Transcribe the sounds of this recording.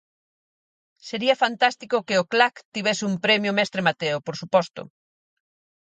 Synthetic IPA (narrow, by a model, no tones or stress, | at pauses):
seɾiɐfant̪ast̪ikʊkɪoklakt̪iβɛsɪumpɾɛmjʊmɛst̪ɾemat̪eopoɾsupɔst̪ʊ̰